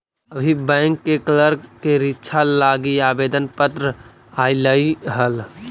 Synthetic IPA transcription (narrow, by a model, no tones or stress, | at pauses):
əbʱibɛ̃ːŋkːekləɾkeɾɪtːʃʰalaːɡiaːbeːd̪ənpət̪ɾə | haːiləiɦəl